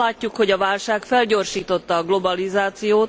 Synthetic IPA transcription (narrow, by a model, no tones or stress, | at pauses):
aːcːukho̞ɟɒvaːlʃaːkfɛlɟo̞rʃiːt̪o̞t̪ːɒːɡlo̞bɒlizaːt̪sijoːt̪